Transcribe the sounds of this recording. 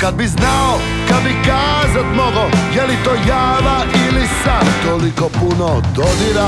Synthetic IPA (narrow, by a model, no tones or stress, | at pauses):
kad̪̚biznao | kad̪bikaːzat̪moɡojelit̪oːjaːʋaʔilisat̪olikopunod̪od̪iɾa